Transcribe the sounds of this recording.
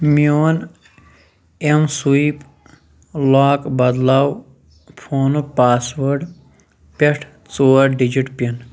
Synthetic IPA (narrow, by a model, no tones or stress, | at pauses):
mioːn | emsuip | laːkbɐd̪law | pʰoːnupaːsʋɐɾɖ | peʈʰ | t͡soːɾɖid͡ʒiʈpʲɐn